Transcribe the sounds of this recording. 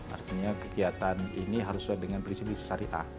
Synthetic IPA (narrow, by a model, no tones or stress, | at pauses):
a̰rt̪iɲakəkiat̪anḭniɦaɾʊsuak̚dəŋanpɾinsipisə̥saɾiʔa̰